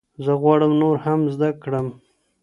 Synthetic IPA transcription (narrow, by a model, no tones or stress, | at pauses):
zəɣwɑɽəmnoɾhamzd̪akɽəm